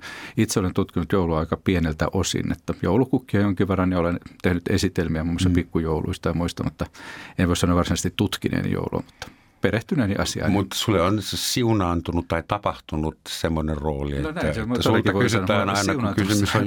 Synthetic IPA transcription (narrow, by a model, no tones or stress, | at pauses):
it̪seolent̪ut̪kinut̪jouluɑikɑpienelt̪æ̰ʔosḭnːḛt̪ːɑjoulukukːiɑjoŋkiʋʋerːɑnjɑolent̪ehnyt̪esit̪elmiæmumːoisːɑpikːujoulṵist̪ɑimuist̪ɑnut̪ːɑenʋoˑisɑnoʋʋɑrsinɑest̪it̪t̪ut̪kinḛːnḭjo̰ulṵɑ̰mut̪ːɑ̥ | pereht̪ynæːnḭʔɑsiɑ̰imut̪ːsulːeonsiunɑːnt̪unutt̪ɑit̪ɑpɑht̪unut̪semːonerroːlienonæːæsemosk̪ɑʋoyisɑnːæːnɑinsɑiunɑːnksymysoj